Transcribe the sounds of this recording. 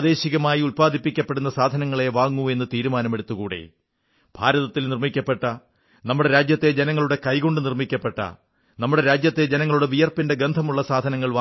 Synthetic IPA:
ðe̞ːɕiɣɐmaːjiulpaːd̪ʱipːikʲːɐpːe̞ɽunːɐsaːd̪ʱɐnɐŋːɐɭe̞ʋaːŋːue̞nːɨt̪iːɾumaːnɐme̞ɽut̪ːukuːɽḛ | b̥ʱaːɾɐðɐt̪ːilnirmikʲːɐpːe̞ʈːɐ | nɐmːuɽe̞ɾaːd͡ʑjɐt̪ːe̞d͡ʑenɐŋːɐɭuɽe̞kɐjɣo̞ɳɖɨnirmikʲːɐpːe̞ʈːɐ̰ | nɐmːuɽe̞ɾaːd͡ʑjɐt̪ːe̞d͡ʑenɐŋːɐɭuɽe̞ʋijɐrpinde̞ɡend̪ʱɐmuɭːɐsaːd̪ʱɐnɐŋːɐɭʋa

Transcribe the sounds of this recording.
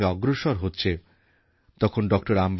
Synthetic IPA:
eɔɡɾoʃɔɾɦotːɕʰe | t̪ɔkʰonɖɔk̚ʈoɾamb

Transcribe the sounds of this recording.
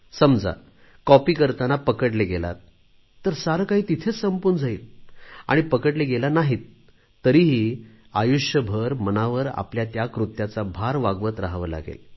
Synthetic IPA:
səmd͡za̰ | kɔpiːkəɾt̪anapəkəʈleɡela̰t̪ː | əɾsaɾkaɦiːt̪it̪ʰet͡ssəmpund͡zaiːla̰ɽ̃ipəkəʈleɡelanaɦiːt̪ː | əɾiːɦiː | ajuʂjəbʱəɾmənaʋəɾa̰pljat̪jakɾut̪jat͡sabʱaɾʋaɡʋət̪ɾaɦʋəla̰ɡḛl

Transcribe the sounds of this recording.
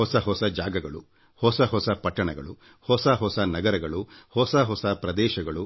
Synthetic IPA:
ɔsɐɦɔsɐd͡ʒaːɡɐɡɐɭu | hɔsɐɦɔsɐpɐʈːɐɳɐɡɐ̰ɭu | hɔsɐɦɔsɐnɐɡɐɾɐɡɐɭuhɔsɐɦɔsɐpɾɐd̪ɛːʃɐɡɐɭu

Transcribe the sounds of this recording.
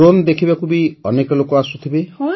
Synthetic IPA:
ond̪ekʰibakubiɔnekɔlokɔasut̪ʰibe

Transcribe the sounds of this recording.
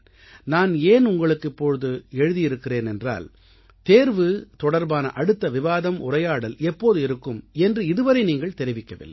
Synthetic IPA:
naːneːnʊŋɡɐɭɯkːɪpːoɻɯðɯɛɻɯðɪjɪɾɯkːɪreːnɛndra̰ːl | t̪eːɾʋɯt̪ɔɽɐɾbaːnɐ̰ʔɐɽɯt̪ːɐʋɪʋaːðɐmʔʊ̰rɐjaːɽɐlɛpːoːðɯɪɾɯkːɯmɛndrɯɪðɯʋɐɾɐɪniːŋɡɐɭt̪ɛɾɪʋɪkːɐʋɪ̰lːɐ̰

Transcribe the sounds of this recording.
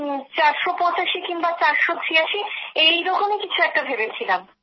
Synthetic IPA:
t͡ɕaɾʃopɔ̃t͡ɕaʃikinbat͡ɕaɾʃod̪ʰʱɾiaʃiejɾɔkomekit͡ɕʰuɛk̚ʈabʱebet͡ɕʰilam

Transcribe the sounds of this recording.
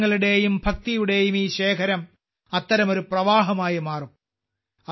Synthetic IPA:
ɐɭiɽe̞ːjumbʱɐk̚t̪ijuɽe̞ːjumiːɕeːkʰɐɾɐm | ɐt̪ːɐɾɐmo̞ɾuprɐʋaːɦɐmaːjɐmaːrum | ɐ

